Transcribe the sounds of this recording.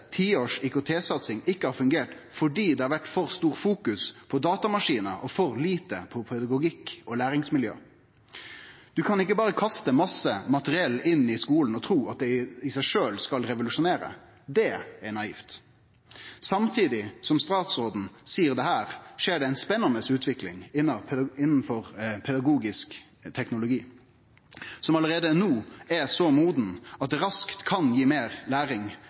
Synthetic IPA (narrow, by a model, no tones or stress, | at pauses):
t̪ʰiːoːʂɪkʊt̪ʰeːsɑt̪sɪŋɪkːəhɑɾfʉŋɡeːʈfɔɖiːd̪ɛhɑɾʋæʈːfɔʁst̪uːʁfuːkʉspʰɔd̪ɑːt̪ɑmɑʂiːnəʔɔfɔɾliːt̪əpʰɔpʰɛd̪ɑɡʊɡɪkːɔlæːɾɪŋsmɪljø̰ː | d̪̥ʉkʰɑnɪkːəbɑːʁəkʰɑst̪əmɑsəmɑt̪əɾɪɛlːɪnːɪskuːln̩ɔt̪ʰɾuːɑt̪̚d̪ɛɪsæɪʂøːlskɑlɾɛʋʊlʉʂʊneːɾə̰ | d̪ɛɛnɑiːft̪ | sɑmt̪ʰiːd̪ɪsɔmst̪ɑːt̪sɔːd̪n̩siːəʁd̪ɛhæːʁʂeːɖɛæɪnspɛnːɑnəsʉːt̪ʰʋɪklɪ̰ŋɪnːɑpʰɛɪnːn̩fɔʁpʰɛd̪ɑɡuːɡɪsk | t̪ʰɛknʊlʊɡiː | sɔmɑləʁeːd̪ənuːɛsɔmuːd̪n̩ɑt̪̚d̪ɾɑskt̪kʰɑnjiːmeːʁlæːɾɪŋ